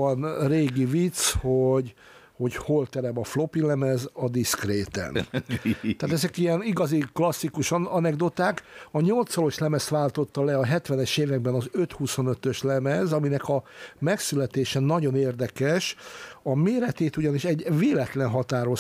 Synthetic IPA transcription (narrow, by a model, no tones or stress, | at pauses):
ɒnreːɡivit̪shoɟ | ho̞cholt̪ɛɾɛmɒflo̞pilɛmɛzɒd̪iskɾeːt̪ɛ̰n | t̪aːt̪ɛzɛkijɛniɡɒziklɒsːikuʃnɒnɛɡd̪ot̪aːkɒɲo̞lt̪sɒlo̞ʃlɛmɛst̪ʋaːlt̪o̞t̪ːɒlɛɒɦɛt̪ʋɛnɛʃeːvɛɡbɛnɒzøt̪huso̞nøt̪øʃlɛmɛzɒminɛkɒmɛksylɛt̪eːʃɛnːɒɟo̞neːrd̪ɛkɛʃɒmeːɾɛt̪eːt̪uɟɒniʃɛɟveːlɛt̪lɛnɦɒt̪aːɾo̞